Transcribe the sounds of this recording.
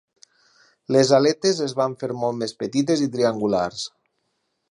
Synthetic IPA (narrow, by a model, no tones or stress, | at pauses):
lezalet̪ezezβaɱfeɾmɔlˠmespet̪it̪ezit̪̬ɾiaŋɡula̰ɾs